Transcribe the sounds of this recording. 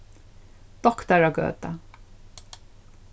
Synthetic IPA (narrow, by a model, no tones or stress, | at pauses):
d̪̥ɔkt̪aɹaɡø̰ːt̪a